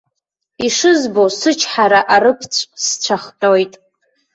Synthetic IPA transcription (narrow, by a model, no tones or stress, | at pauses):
iʂɨzbosɨt͡ʃʰħaɾaʔaɾɨpʰt͡sʷʰʼst͡ɕʷʰaχtʼojtʼ